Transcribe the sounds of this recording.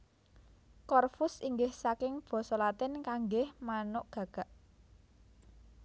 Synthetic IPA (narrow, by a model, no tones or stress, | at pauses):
kɔrfʊsiŋɡɪhsakɪŋb̥ɔ̤sɔlat̪ɪnkaŋɡɪhmanʊʔɡ̥ä̤ɡ̥a̤ʔ